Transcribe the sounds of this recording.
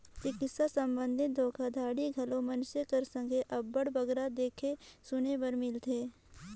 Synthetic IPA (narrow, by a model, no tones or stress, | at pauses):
t͡ʃɪkɪsasɐ̃mbə̃nd̪ʱɪt̪̚d̪ʱoːkʰad̪ʱaːɽiɡʱɐlõmɐnsekəɾsə̃ŋɡʱeʔɐbːəɽbɐɡɾad̪eːkʰesʊnebɐɾmɪlt̪ʰeː